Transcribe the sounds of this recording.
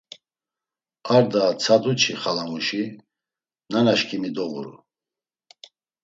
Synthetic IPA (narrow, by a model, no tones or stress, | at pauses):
aɾd̪at͡sʰad̪ut͡ʃʰiχalamuʃi | nanaʃkʰʼimid̪ɔɣṵɾṵ